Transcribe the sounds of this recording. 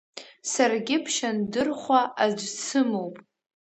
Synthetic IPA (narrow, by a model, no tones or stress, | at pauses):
sarɡʲɪpʰʃandɨrχʷaad͡ʒʷt͡sʰɨmo̞wpʼ